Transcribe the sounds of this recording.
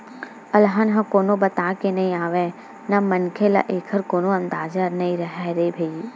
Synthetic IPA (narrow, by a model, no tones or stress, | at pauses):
ɐlɦanɦɐ̃koːnõbɐt̪aːkenɐɦĩaːʋẽ | namɐnkʰela̰ʔeːkʰəɾkoːnõɐ̃nd̪aːd͡ʒənɐĩɾɐɦɛɾebʱe